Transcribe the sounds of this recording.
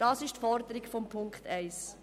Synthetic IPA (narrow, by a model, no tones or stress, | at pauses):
d̥ɑːsɪʃtfɔɾd̪əɾɪkfɔmpʰʊŋkχtɛɪs